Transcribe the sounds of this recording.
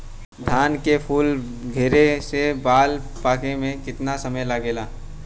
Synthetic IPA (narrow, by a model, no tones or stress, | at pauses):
d̪ʱaːnkepʰuːl | ɡʱeːɾesebaːl | paːkemẽkɪt̪nasɐməjlaɡeːlaː